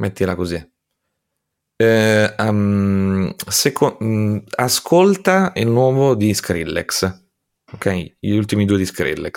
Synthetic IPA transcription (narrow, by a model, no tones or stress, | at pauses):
met̪ːilakozi | am | sekʰo | askʰolt̪ailnwɔːvod̪iskɾilːɛ̰ks | ok̟ʰːɛjult̪imid̪uːed̪iskɾḭlːɛks